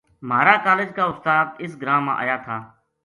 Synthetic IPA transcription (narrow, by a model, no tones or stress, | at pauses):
m̤aːɾaːkaːleːd͡ʒkaːʊst̪aːd̪ɪs̬ɡɾãːmã̰ːʔa̰ːjaːt̪ʰaː